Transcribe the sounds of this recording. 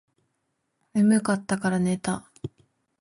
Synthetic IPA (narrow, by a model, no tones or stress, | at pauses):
mɯmɯ̟kat̪ːakaɾane̞t̪a